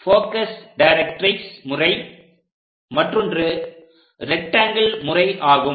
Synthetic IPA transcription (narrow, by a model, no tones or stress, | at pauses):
foːkɐsɖɐɪɾɛkʈɾɐɪksmʊrɐɪ | mɐʈrɔndrɯ | ɾɛk̚ʈːaːŋɡɐɭmʊrɐɪʔaːɣɯ